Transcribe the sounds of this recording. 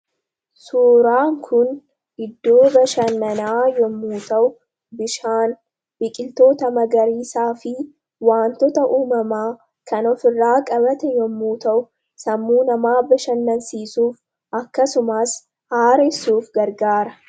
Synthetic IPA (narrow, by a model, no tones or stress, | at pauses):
suːɾaːŋkʰʊn | ɪd̪ːo̞ːbɐʃɐnːɐnaːjɔmːuːt̪ɐʔʊ | bɪʃaːn | b̥ɪkʼɪlt̪o̞ːt̪ɐmɐɡɐɾiːsaːfɪ | waːnt̪ɔt̪ɐʔuːmɐmaː | kɐnɔfɪrːaːkʼɐbɐt̪ɛjɔmːuːt̪ɐʔʊ | sɐmːuːnɐmaːbɐʃɐnːɐnsiːsuːf | ʔɐkːɐsʊmaːs | haːɾɛsːuːfɡɐɾɡaːɾɐ